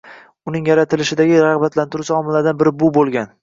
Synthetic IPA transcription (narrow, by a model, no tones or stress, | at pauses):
ʊnɪŋjaɾat̪ʰɪlɪʃɪd̪aɡʲɪɾaʁbat̪ʰlant̪ʊɾɪsaɒmɪlad̪anbɪɾɪbʊbolˠɡʲan